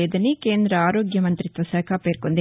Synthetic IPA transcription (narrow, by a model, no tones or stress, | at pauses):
eːd̪ɐnːikeːnd̪ɾɐaːɾoːɡjɐmɐnt̪ɾit̪ʋɐsɛːkʰapeːɾkond̪